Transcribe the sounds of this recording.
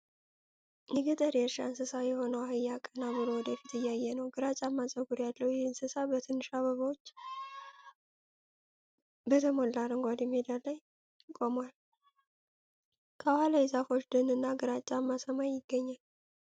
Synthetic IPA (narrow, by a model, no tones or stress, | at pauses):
jɛɡɨt̪ʼəɾjɛɾʃa̰nsɨsajɛho̞nəwhajːakʼːənabɨlo̞wɔd̪əfit̪ɨjːajːɛnəwɡɨɾat͡ʃʼamːasʼəɡuɾjalːəhujɛhnsɨsabət̪ʰɨnːɨʃaβəβawot͡ʃː | bət̪ʰəmolːaɾɨŋɡʷad̪ɛmːed̪alːaj | kʼo̞mwal | kʰəhaləjɪzafo̞t͡ʃːd̪ɨnɨnːaɡɨɾat͡ʃʼːamːasəmajːɪɡːəɲːal